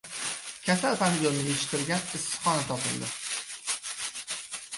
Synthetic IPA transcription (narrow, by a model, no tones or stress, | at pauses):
kʲʰasalpʰanlionnɪeʃɪ̥t̪ɪɾɡʲanɪsːɨ̥χɒnat̪ʰɒpɪ̰ld̪ɪ